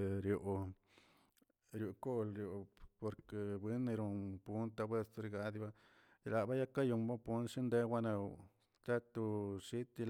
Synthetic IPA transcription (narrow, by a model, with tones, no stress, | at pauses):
ɾjo˨ʔ | ɾju˨ko˦lɾjo˨po˨ɾke˨bwi˦nːi˧ɾo˧pu˦nt̪a˧bwe˧st̪ɾi˧ɡa˦d̪i˦ba˦˨ | la˨ba˦ja˦ka˦ju˧mba˦pu˦nʂi˦nd̪e˦wa˦na˧w | t̪a˦t̪u˧ʃi˦t̪i˧l